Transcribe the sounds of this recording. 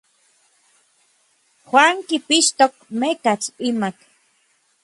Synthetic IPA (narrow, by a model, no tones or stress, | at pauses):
xwaŋkipiʃt̪okmekat͡simak̪